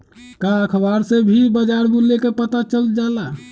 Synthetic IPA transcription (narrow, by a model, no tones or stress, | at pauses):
kaəkʰəbaɾsebʱibəd͡ʒaɾbulːekepət̪at͡ʃəld͡ʒala